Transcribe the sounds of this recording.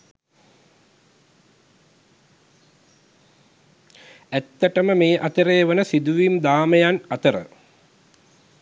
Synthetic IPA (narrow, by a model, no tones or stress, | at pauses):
æt̪ːəʈəməmeːʔat̪əɾeːʋənəsid̪uʋimd̪aːməjanɐt̪əɾə̰